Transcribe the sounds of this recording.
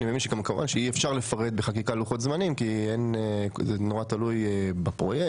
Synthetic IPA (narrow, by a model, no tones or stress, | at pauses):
nimevinʃekamkamuvanʃeiefʃaʁle̞faʁed̪beχak̬ikaluχot̪zmanimkienzenoʁat̪alujbapʁoje